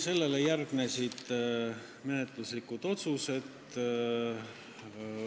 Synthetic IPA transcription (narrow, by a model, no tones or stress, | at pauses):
se̞lːe̞lejærɡ̥ne̞sid̪̥ | menet̪luslikːud̪̥o̞t̪suse̞d̪